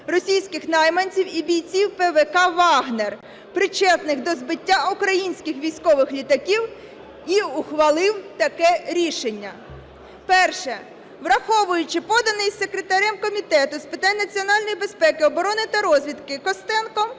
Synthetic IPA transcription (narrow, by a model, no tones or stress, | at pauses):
rɔsʲijsʲkɪxnɑjmɐnʲt͡sʲiwibʲijt͡sʲiwpeʋɛkɑʋɑɦner | pɾɪt͡ʃɛt̪nɪxd̪ɔzbɪtʲːaukɾɐjinʲsʲkʲɪxʋʲijsʲkɔʋɪxlʲit̪ɐkʲiw | iuxʋɐlˠɪwt̪ɐkɛɾʲiʃenʲːɐ | pɛrʃɛ | ʋɾɐxɔʋʊjʊt͡ʃɪpɔd̪ɐnɪjsekɾet̪ɐɾʲɛmkɔmʲit̪ɛt̪ʊspɪt̪ɑnʲnɐt͡sʲiɔnɑlʲnɔjibespɛkɪɔbɔɾɔnɪt̪ɐɾɔzʲʋʲid̪kɪkɔst̪ɛnkɔ